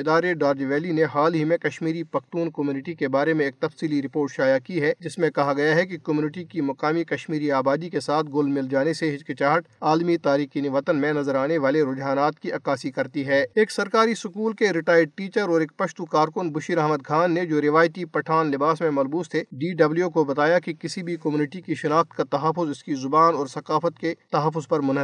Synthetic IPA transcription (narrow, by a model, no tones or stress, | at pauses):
ɪd̪aːɾeɖaːɾd͡ʒʋɛːlineɦaːlɦimẽkɐʃmiːɾipɐxt̪uːnkɐmjuːnɪʈikebaːɾemẽeːk̚t̪ɐfsiːliɾɪpoːɾʈʃaːjakiɦɛd͡ʒɪsmẽkɐɦaɡɐjaɦɛk̬ikəmjuːnɪʈikimɐkaːmikɐʃmiːɾiaːbaːd̪ikesaːt̪̚ʰɡʊlmɪld͡ʒaːneseɦɪt͡ʃkɪt͡ʃaːɦəʈaːlmit̪aːɾiːxinɪʋɐt̪ənmẽnɐzəɾaːneʋaːleɾʊd͡ʒɦaːnaːt̪kiʔɐkaːsikɐɾt̪iɦɛːeːksɐɾkaːɾisʊkuːlkeɾɪʈaːjəɖ̚ʈiːt͡ʃəɾɔːɾeːk̚pɐʃt̪ukaːɾkʊnbʊʃiɾɐɦməd̪̚kʰaːnːed͡ʒoːɾɪʋaːjt̪ipɐʈʰaːnlɪbaːsmẽmɐlbuːst̪ʰeɖiːɖɐbljokobɐt̪aːjakikɪsibʱikɐmjuːnɪʈikiʃɐnaːxt̪kat̪ɐɦəfːʊzɪskizʊbaːnɔːɾsɐkaːfət̪ket̪ɐɦəf̬ːʊzpɐɾmʊnɦ